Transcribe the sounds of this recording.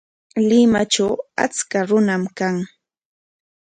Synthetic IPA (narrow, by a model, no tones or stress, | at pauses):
lɪmat͡ʃawa̰t͡skaɾʊnamkaŋ